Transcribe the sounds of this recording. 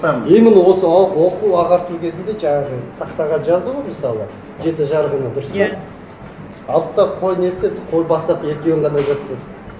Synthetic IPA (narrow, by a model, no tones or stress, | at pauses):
ejmɪnɪwo̞səɑqwo̞quɑʁɑɾt̪ukʲʰe̞zɪnd̪e̞ʒɑɴɑʁət̪ʰɑqt̪ɑʁɑnʒɑzd̪əwəməsɑlˠə | ʒe̞t̪̬ɪʒɑɾəʁənəd̪ʊɾəs | ɑlˠt̪ːɑqʰo̞jne̞st̪ed̪qʰo̞jbɑst̪ɑpe̞kʲewɪɴʁɑnɑʒot̪ːəd̪